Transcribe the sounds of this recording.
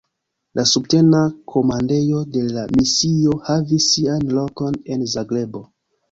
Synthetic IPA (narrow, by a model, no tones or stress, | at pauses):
lʔasubte̞nakʰo̞mande̞jo̞de̞lamisio̞havisːianlo̞ko̞ne̞nzaɡle̞bo̞